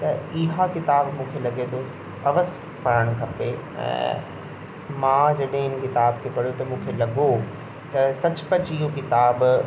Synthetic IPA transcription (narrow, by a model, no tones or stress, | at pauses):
t̪ɐɪɦakɪt̪aːbmũːkʰelɐɠet̪ʰo | ɐʋəs | pɐɾəɽ̃kʰɐpe | ɛ̰̃ː | mãd͡ʑɐɗɦɪ̃ɪnkɪt̪aːbkʰepɐɽ̤jot̪ɐmũːkʰelɐɠo | t̪ɐsɐt͡ɕpɐt͡ɕɪɦokɪt̪aːb